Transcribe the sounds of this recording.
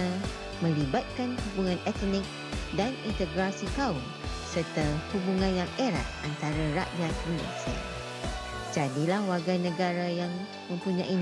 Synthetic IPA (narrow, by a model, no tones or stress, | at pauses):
mə̃libat̪̚kanhubuŋãnɛt̪nɪ̃k̚ | danint̪əɡɾasikaun | sərt̪ahubuŋãnjaŋeɾa̰t̪̚ʔant̪aɾaɾa̰ʔjat̪ɾia̰sə̰ | d͡ʒadilahwaɡanə̃ɡaɾajaŋ | mə̃mpuɲãʔi